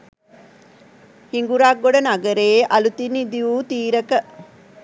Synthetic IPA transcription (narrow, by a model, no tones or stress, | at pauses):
hiŋɡuɾaɡːoɖənaɡəɾeːʔɐlut̪inid̪iuːt̪iːɾəkə